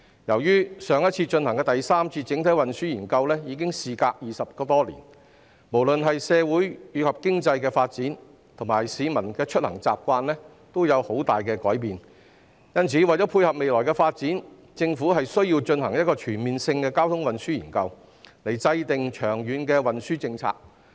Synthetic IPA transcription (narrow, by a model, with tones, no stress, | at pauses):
jɐ˨˩wjyː˥sœː˨˧ŋjɐ˥t̚t͡sʰiː˧t͡ʃɵ˧nhɐ˨˩ŋkɛː˧t̪ɐ˨jsaː˥mt͡sʰiː˧t͡sɪ˨˥ŋt̪ʰɐ˨˥wɐ˨nsyː˥jiː˨˩nkɐ˧wlɛː˥jiː˨˧kɪ˥ŋsiː˨kaː˧k̚jiː˨˩sɐ˨p̚kɔː˧t̪ɔː˥lḭː˨˩n | mo˨˩wlɵ˨nɦɐ˨jsɛː˨˧wuː˨˥jɥyː˨˧kʰɐ˨p̚kɪ˥ŋt͡sɐ˧jkɛː˧faː˧t̚t͡siː˨˥n | t̪ʰʊ˨˩ŋmaː˨˩jsiː˨˧mɐ˨˩nkɛː˧t͡ʃʰɵ˥t̚hɐ˨˩ŋt͡sa̰ː˨p̚kʷaː˧nlɛː˥ | t̪o˥wjɐ˨˧who˨˥wt̪aː˨jkɛː˧kɔː˨˥jpiː˨n | jɐ˥nt͡sʰiː˨˥wɐ˨jt͡sɔ˨˥pʰuː˧jhɐ˨p̚me˨jlɔː˨˩jkɛː˧faː˧t̚t͡siː˨˥n | t͡sɪ˧ŋfuː˨˥ɦɐ˨jsɵ˥ɥjiː˧wt͡ʃɵ˧nɦɐ̰˨˩ŋjɐ˥t̚kɔː˧t͡ʃʰyː˨˩nmiː˨nsɪ˧ŋkɛː˧kaː˥wt̪ʰʊ˥ŋwɐ˨nsyː˥jiː˨˩nkɐ˧w | le˨˩jt͡sɐ˧jt̪ɪ˨ŋt͡ʃʰœː˨˩ŋjyː˨˧nkɛː˧wɐ˨nsyː˥t͡sɪ˧ŋt͡sʰa̰ː˧k̚